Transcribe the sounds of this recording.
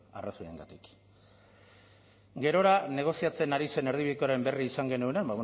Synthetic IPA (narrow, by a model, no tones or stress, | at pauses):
a̰rasoḛŋɡa̰t̪ik | ɡe̞ɾo̞ɾane̞ɣ̞o̞siat͡se̞naɾise̞ne̞ɾð̞iβiðekoaɾe̞mbe̞riːsaŋɡe̞nuenambaw